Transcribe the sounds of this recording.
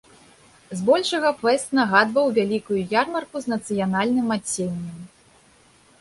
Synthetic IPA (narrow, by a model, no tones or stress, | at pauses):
zbɔlʲʂɐɣɐpɛst̪nɐɣad̪vɐwvʲalʲikujujarmɐrkuznɐt̪sɨjanalʲnɨmat͡sʲːenʲːɐm